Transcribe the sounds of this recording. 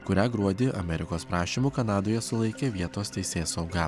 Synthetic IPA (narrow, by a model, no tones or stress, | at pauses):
kʊɾʲæːɡɾuɔd̪ʲɪʔɐ̰mʲɛɾʲɪkoːspɾɑːʃʲiːmuːkɐnɑːd̪oːjɛsʊlˠɐɪkʲeːʋʲiɛt̪oːst̪ʲɛɪsʲeːsɐʊɡɑ